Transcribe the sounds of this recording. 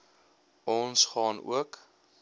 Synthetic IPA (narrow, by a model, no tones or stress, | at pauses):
ɔnsχɑːnṵək